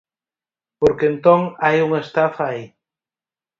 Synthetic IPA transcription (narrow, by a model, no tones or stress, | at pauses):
poɾkent̪oŋajuŋest̪afai